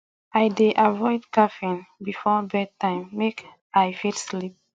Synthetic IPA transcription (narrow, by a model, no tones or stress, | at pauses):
ajdeʔavɔɪdkafĩnbifɔbɛd̚tãɪ̃mːek | ajfitslip̚